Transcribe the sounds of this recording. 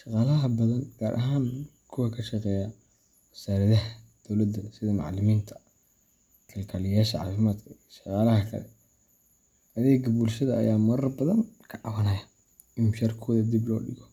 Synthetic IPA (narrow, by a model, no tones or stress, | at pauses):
ʃɑqɑːlɐɦɐbɐðɐnɡ̥aːɾʔɐ̰ɦaːn | kʰʊwɐkʰɐʃɑqɛːja | wɐsaːɾɐðɐɦɐd̪̥ɔwlɐd̪ːɐsɪðɐmɑ̰ʕlɪmiːnt̪ʰɐ̥ | kʰɐlkʰalɪjaːʃɐʕɑ̰ːfɪmaːd̪kʰɐiɐʃɑqɑːlɐhɐkʰɐ̰lɛ̰ | ʔɐðɛːɡɐbuːlʃɐðɐɐ̰jaːmɐɾɐrbɐðɐnkʰɐʕɑwɐnɐja | ɪmʃɐrkʰɔːðɐd̪iblɔ̰ːɖɪɣɔ